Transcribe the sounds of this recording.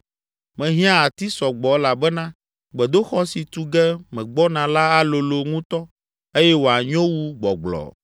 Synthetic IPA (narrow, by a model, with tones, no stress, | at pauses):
mɛ̃˨ɦĩ˦ã˦a˨t̪i˦sɔ˨ɡ͡bɔ˨˦la˨bɛ˦nã˦ | ɡ͡bɛ˨d̪o˦xɔ˦si˨t̪u˦ɡɛ˦mɛ̃˨ɡ͡bɔ˦nã˨la˦a˦lo˨lo˨ŋũ˦t̪ɔ˦ | e˦jɛ˦wo˨a˨ɲõ˦wu˦ɡ͡bɔ̰˨ɡ͡blɔ̰˨